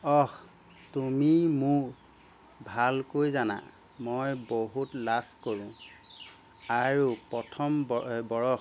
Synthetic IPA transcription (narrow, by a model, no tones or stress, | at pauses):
ɔx | tumimʊk | bʱalkojzana̰ | mojboɦutlaskoɹʊ̃ | aɹupɔtʰɔmbɔɹɔx